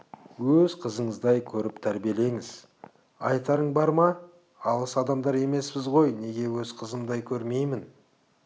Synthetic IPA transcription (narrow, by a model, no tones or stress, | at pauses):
wɵzqʰəzəɴəzd̪ɑjkʲʰɵɾɪpt̪ʰæɾbije̞le̞ŋɪz̥ | ɑ̰jt̪ɑɾəɴbɑɾmɑ | ɑlˠəsɑd̪ɑmd̪ɑɾe̞me̞spɪzʁo̞jne̞ɡʲe̞wɵzqʰəzəmd̪ɑjkʲʰɵɾme̞jmɪn